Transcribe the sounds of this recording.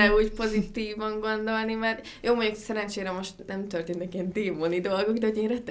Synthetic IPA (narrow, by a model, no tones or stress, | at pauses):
ɛuːcpo̞zit̪iːvɒŋɡo̞nd̪o̞lnimɛr | joːmoɲoksɛɾɛnt͡ʃeːɾɛmo̞ʃt̪nɛmt̪ørt̪eːnt̪ɛkiɛnd̪eːmonid̪o̞lɡo̞ɡd̪ɛɦoɟeːnrɛt̪